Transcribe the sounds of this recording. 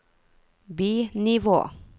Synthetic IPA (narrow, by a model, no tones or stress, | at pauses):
biːnɪʋo̰ː